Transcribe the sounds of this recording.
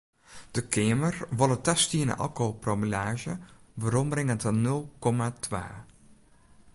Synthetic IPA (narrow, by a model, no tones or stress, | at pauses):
d̥əkʰeːmərʋɔlˠətɛstiənə̰ʔɑ̰lˠkopromilaːʒəʋəɾɔmrɪŋəntənɵlˠkɔmatʰʋa̰ː